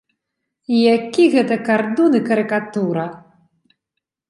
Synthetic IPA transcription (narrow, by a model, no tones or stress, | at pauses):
ijakʲiɣɛt̪ɐkard̪unɨkɐɾɨkat̪uɾɐ